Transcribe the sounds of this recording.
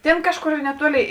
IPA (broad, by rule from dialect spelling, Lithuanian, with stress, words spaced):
ˈtʲeːn ˈkɑːʃˌkoːr nʲɛˈtuɔlʲeːɪ